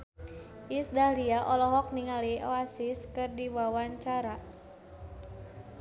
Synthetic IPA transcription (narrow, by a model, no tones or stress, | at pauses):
ʔisdahliaʔɔlɔɦɔk̚niŋalioasɪskɨrdiwawaɲt͡ʃaɾa